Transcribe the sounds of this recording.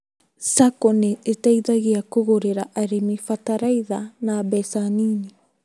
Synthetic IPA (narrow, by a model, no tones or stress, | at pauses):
sakoneetajðaɣiakoɣoɾeɾaʔaɾimifataɾajðanaːbesaniːni